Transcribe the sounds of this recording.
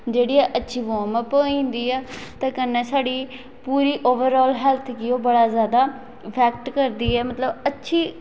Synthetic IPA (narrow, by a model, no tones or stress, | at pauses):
d͡ʒeːɽiːɛːʔətːʃʰiːʋoːməpoːĩːnd̪iːɛːt̪ãːkənːɛːsaːɽiː | puːɾiːʔoːʋəɾɔːlɦɛːlt̪ʰkioːbəɽaːzjaːd̪aː | pʰɛːk̚ʈkəɾd̪iːɛːmət̪ləbətːʃʰiː